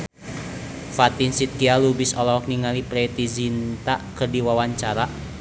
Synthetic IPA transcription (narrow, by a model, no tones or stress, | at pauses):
fat̪insit̪̚kialubisɔlɔwɔk̚niŋalipɾɛt̪izint̪akərdiwawaɲt͡ʃaɾa